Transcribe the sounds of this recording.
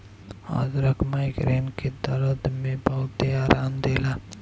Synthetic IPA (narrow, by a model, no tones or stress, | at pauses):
a̰zɾəkmajkɾenked̪əɾəd̪ʱmebəɦt̪eaɾʔand̪ela